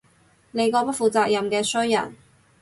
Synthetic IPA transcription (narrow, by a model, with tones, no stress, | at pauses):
ne˨˧jkɔː˧pɐ˥t̚fuː˨˩t͡saː˧k̚jɐ˨mkɛː˧sɵ˥ɥjɐ̰˨˩n